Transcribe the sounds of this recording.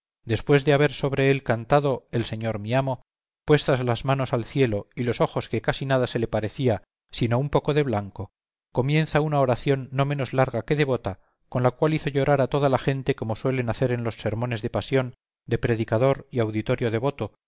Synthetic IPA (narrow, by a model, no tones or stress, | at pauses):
d̪e̞spwe̞zðe̞aβ̞e̞ɾso̞βɾe̞elkant̪aðo̞else̞ɲo̞ɾmiamo̞ | pwe̞st̪azlazmano̞salθje̞lo̞ilo̞so̞xo̞skekasinað̞ase̞le̞paɾe̞θia | sino̞umpo̞ko̞ðe̞βlaŋko̞ | ko̞mjẽ̞nθaunaoɾaθjo̞nːo̞mẽ̞no̞zlaɾɣake̞ðe̞β̞o̞t̪a | ko̞nlakwaliθo̞ʎo̞ɾaɾat̪o̞ð̞alaxe̞nt̪e̞ko̞mo̞swe̞le̞naθe̞ɾe̞nlo̞sːe̞ɾmõ̞ne̞zðe̞pasjo̞n | d̪e̞pɾe̞ðikað̞o̞ɾiawðit̪oɾjo̞ð̞e̞βo̞t̪o̞